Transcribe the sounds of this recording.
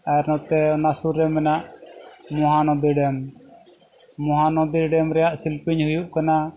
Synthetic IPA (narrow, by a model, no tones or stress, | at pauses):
aɛɾnɔt̪ɛnasuɾɛmɛnaʔmɔɦanɔd̪iɖɛm | ɔɦanɔd̪iɖɛmɾɛjaʔsilpiɲhujuʔkana